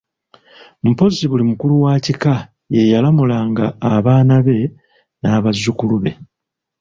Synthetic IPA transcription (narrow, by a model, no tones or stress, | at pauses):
m̩po̞ziβulimukuluwaːcika | je̞jalamulaŋɡaːβaːnaβe̞ | naːβazːukuluβe̞